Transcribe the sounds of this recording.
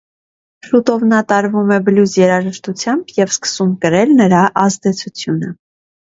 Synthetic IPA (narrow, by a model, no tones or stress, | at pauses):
kʰlut̪ɔvnɑt̪ɑɾvumɛbəluzjɛɾɑʒəʃt̪ut͡sʰjɑmbjɛvskə̥sumkəɾɛlnəɾɑʔɑzd̪ɛt͡sʰut͡sʰjunə